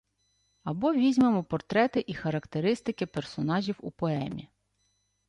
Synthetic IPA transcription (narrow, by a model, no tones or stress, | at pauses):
ɐbɔʋʲizʲmemɔpɔrt̪ɾɛt̪ɪʔixɐɾɐkt̪eɾɪst̪ɪkɪpersɔnɑʒʲiwṵpɔɛmʲi